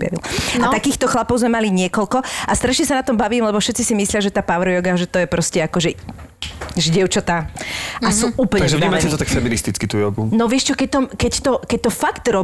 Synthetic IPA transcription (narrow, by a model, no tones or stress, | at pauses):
ja̰ʋḭlat̪akiːxt̪ɔxlapɔʊzmɛmaliɲɪɛkɔlkɔʔast̪ɾaʃɲɛsanat̪ɔmbaʋiːmlɛbɔfʃɛt̪t͡sisimislɪaʒɛt̪aːpaʋɾɔjɔɡaʒɛt̪ɔjɛpɾɔscɛakɔʒɛ | ʒɟɪɛʊt͡ʃɔt̪aasuːʔuːplɛaɡʒɛvɲiːmat͡ɕɛt̪ɔt̪akfɛminist̪it͡skit̪uːjɔɡunɔʋɪɛʃt͡ʃɔkɛc̚t̪ɔmkɛct̪ɔkɛc̚t̪ɔfakt̪ɾɔ